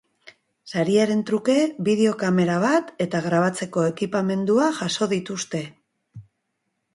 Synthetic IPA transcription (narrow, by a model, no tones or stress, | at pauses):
saɾiaɾe̞nt̪ɾuke̞βiðe̞o̞kame̞ɾaβ̞at̪e̞t̪aɣɾaβ̞at͡se̞ko̞e̞kipame̞nd̪uaʝaso̞ðit̪ust̪e̞